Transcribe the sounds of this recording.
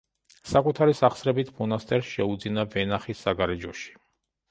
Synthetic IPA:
sakʼut̪ʰaɾisaχsɾɛbit̪ʰmɔnast̪ʼɛɾsʃɛud̪zinavɛnaχisːaɡaɾɛd͡ʒɔʃi̥

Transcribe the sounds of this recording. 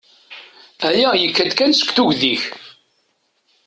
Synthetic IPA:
æjæjəkːæd̪kænsə̥kʷθuʝðiç

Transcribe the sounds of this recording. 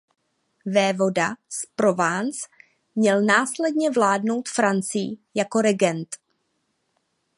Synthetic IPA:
vɛːvo̞daspɾo̞vaːnt͡s | mɲɛlnaːslɛdɲɛvlaːdno̞wt̪fɾant͡sɪj̰jako̞ɾɛɡɛnt̪

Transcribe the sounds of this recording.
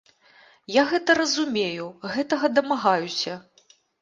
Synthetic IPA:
jaɣɛt̪ɐɾɐzumʲejuɣɛt̪ɐɣɐd̪ɐmaɣajusʲɐ

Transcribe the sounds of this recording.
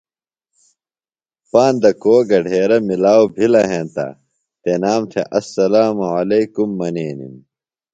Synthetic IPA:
paːnd̪ɐkoːɡɐɖʱeːɾɐmilaːwbʱilɐɦẽːnt̪ɐ̰ | t̪enaːmt̪ʰeʔɐsːɐlaːmuɐlɐjkumːɐneːnḭm

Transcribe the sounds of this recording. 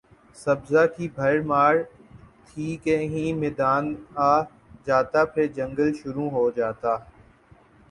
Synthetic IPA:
səbzaːkiːbʱəɾmaːɾ | t̪ʰiːkẽːɦĩːmeːd̪aːnaː | d͡ʒaːt̪aːpʰɪɾd͡ʒə̃ŋɡəlʃʊɾũːɦoːd͡ʒaːt̪aː

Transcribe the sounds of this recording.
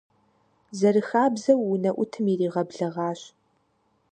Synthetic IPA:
zɐrɨxaːbzɐwːʊnɐʔʷʊtʰɨmiriːʁɐbɮɐʁɑːɕ

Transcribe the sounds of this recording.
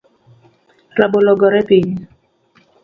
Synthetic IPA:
rabolɔɡɔɾɛpiɲ

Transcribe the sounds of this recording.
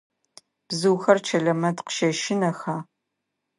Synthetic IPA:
b̥zɨwxɐrt͡ʃʰɐɮɐmɐtqʃɐʃɪnɐxaː

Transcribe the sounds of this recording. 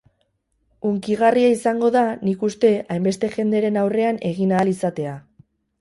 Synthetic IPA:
uŋkiɣariaisaŋɡo̞ðanikust̪e̞ajmbe̞st̪e̞ʝe̞nd̪eɾe̞nawre̞ane̞ɣ̞inaːlisat̪e̞a

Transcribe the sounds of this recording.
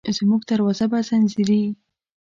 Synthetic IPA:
zmuɡd̪aɾwɑzabazanziɾi

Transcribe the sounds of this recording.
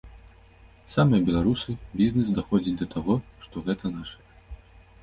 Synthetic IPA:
samɨjɐbʲɛlˠaɾusɨbʲiznɛsd̪axɔd͡zʲit͡sʲd̪ɐt̪ʰaɣɔʂt̪ɔɣɛt̪ɐnaʂɐ̥

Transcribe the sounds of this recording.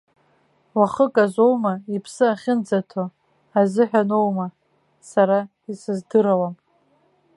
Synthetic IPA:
waχəkʼazʷowmaipʰsɨaχʲɪnd͡zatʰo | azɨħᶣano̞wma | saɾa | isɨzdɨɾawam

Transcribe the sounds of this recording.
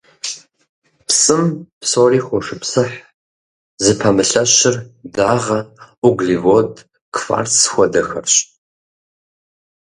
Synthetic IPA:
psʼɨmpsoːriːxʷʊʂɨpsɨħ | zɨpʰɐmɨɬɐɕɪrdaːʁɐʔuɡlivod | kʰfa̰ːrsxʷɔdɐxɐ̰rɕʼ

